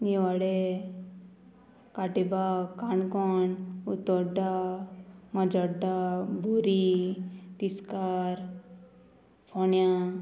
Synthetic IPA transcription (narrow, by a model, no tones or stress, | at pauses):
newaɽe | kaʈebakaɳkɔnut̪ɔɖa | mɔd͡ʒɔɖabʱuɾi | t̪iskaɾ | pʰɔnja